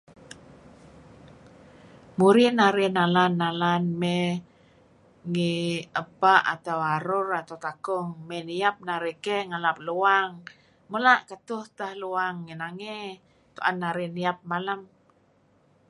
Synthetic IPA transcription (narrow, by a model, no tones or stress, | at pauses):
muɾinaɾɛnalanːalanmɛ | ŋiəpaʔa̰t̪awaɾʊrat̪awt̪akɔŋmɛniap̚naɾekɛŋalap̚luaŋ | mulaʔkət̪ʊht̪ahluaŋːinaŋe | t̪uʔanːaɾɛniap̚malam